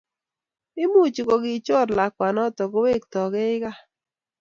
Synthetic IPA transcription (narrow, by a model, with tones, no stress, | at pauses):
ɪ˦mu˦˨t͡ʃi˨kɔ˨ɡɪ˨t͡ʃɔ˦˨ɾla˨kwa˨nɔ˦tɔ˨ɡo˦we˦˨kt̪ɔ˨ɡe˦ɪ˦ɣa˦